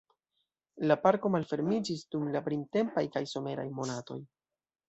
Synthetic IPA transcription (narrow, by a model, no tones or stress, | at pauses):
lapaɾko̞malfe̞ɾmid͡ʒisdumlapɾimte̞mpajkajso̞me̞ɾa̰jmo̞nato̞̰j